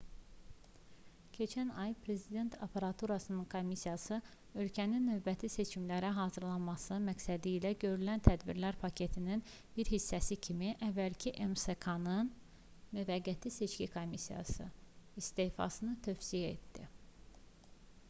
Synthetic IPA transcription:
cʰe̞t͡ʃʰænɑjpʰɾe̞zid̪e̞nt̪ʰɑpʰɑɾɑt̪ʰuɾɑsɯnɯnkʰo̞misijɑsɯ | ø̞lcʰæninːø̞vbæt̪ʰise̞t͡ʃʰimlæɾæɦɑːzɯɾlˠɑnmɑsɯmæksæd̪iːlæɟø̞ɾylænt̪ʰæd̪biɾlæɾpʰɑcʰe̞t̪ʰinin | b̥iɾhisːæsicʰimiʔævːælcʰiʔemsekʰɑnɯn | myvæɡːæt̪ʰise̞t͡ʃcikʰo̞misijɑ̰sɯ̰ist̪eːfɑ̰sɯnɯt̪ʰøfsijæḛt̪d̪i

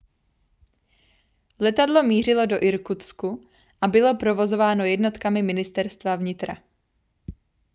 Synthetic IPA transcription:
lɛt̪adlo̞miːr̝ɪlo̞do̞ʔɪɾkut̪sku | ʔabɪlo̞pɾo̞vo̞zo̞vaːno̞jɛdno̞t̪kamɪmɪnɪst̪ɛɾst̪vavɲɪt̪ɾa̰

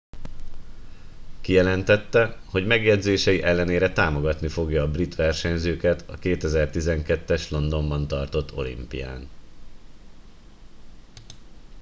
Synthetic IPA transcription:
kijɛlɛnt̪ɛt̪ːɛho̞ɟmɛɡjɛd̪zeːʃɛjiʔɛlːɛneːɾɛt̪aːmo̞ɡɒt̪nifo̞ɡjɒːbrit̪ʋɛrʃɛɲzøːkɛt̪ɒ̰keːt̪ɛzɛrt̪izɛŋkɛt̪ːɛʃlo̞nd̪o̞mbɒn̪t̪ɒrt̪o̞t̪ʰːo̞̰lḭmpḭja̰ːn

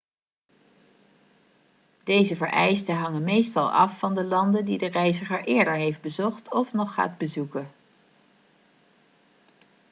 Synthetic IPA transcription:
d̥ejzəvəɹʔɛjstəɦɑŋənmejstɑlˠɑ̰fːɑndəlɑndəndidərɛjzəχəɹʔɪːɹdəɹɦejfd̚bəzɔχtʰɔfnɔχːa̰ːdbəzukə

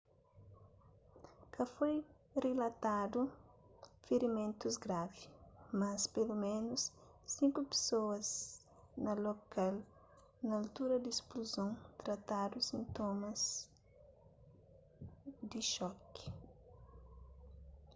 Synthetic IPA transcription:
kɐfoj | relɐt̪ad̪u | fiɾimẽnt̪uzɡɾavimɐspelumẽnʊsː | ĩŋkupe̥soɐz | nɐlokal | nɐːlt̪uɾɐd̪ispluzõnt̪ɾɐt̪ad̪usĩnt̪omɐz | d̪iʃɔki̥

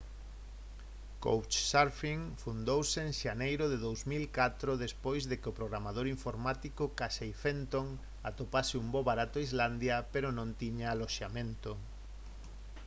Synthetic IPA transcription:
ko̰wt͡ʃsaɾfiŋfund̪owsɪːŋʃanejɾʊðɪðowzmilkat̪ɾoðespojzðɪkɪopɾoɣɾamað̞oɾiɱfoɾmat̪ikokaʃejfent̪oŋ | at̪opasɪumboβaɾat̪ʊaizland̪jɐpeɾʊnõnt̪iɲaaloʃamẽnt̪o

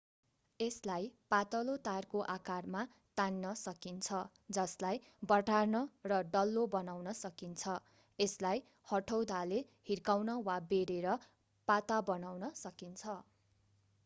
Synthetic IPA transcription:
eslajpat̪ʌlot̪arkoʔakarma | t̪anːʌsʌkint͡sʰʌ | d͡zʌslaj | bʌʈarnʌrʌɖʌlːobʌnawnʌsʌkint͡sʰʌ | eslaj | hʌʈʰʌwd̪ale | hirkawnʌwabeɾeɾʌ | pat̪abʌnawnʌsʌkint͡sʰʌ

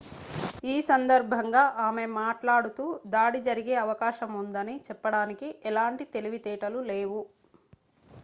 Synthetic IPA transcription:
iːsɐnd̪ɐɾbʱɐŋɡaːʔaːme̞maːʈlaːɽut̪uːd̪aːɽid͡ʒɐɾiɡe̞ːɐʋɐkaːʃɐmund̪ɐnit͡ʃɛpːɐɽaːnikiʔɛlaːɳʈit̪eliʋit̪ɛːʈɐluleːʋu

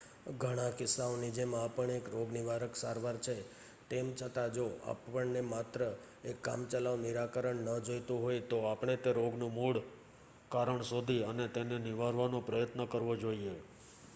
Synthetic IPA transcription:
ɡʱəɽ̃ãkɪsːaonid͡ʒemãːpəɳekɾoɡniʋaɾəksaɾʋaɾt͡ʃʰe | t̪emt͡ʃʰət̪ad͡ʒoa̰pːəɳnemat̪ɾə | ekːa̰mt͡ʃəlaʋniɾakəɾəɳnːəd͡ʒojt̪ũɦojt̪oapɳ̃et̪eɾoɡnũmuɽ | kaɾəɳsod̪ʱiənet̪enenɪʋaɾʋanõpɾəjət̪nəkəɾʋod͡ʒoie

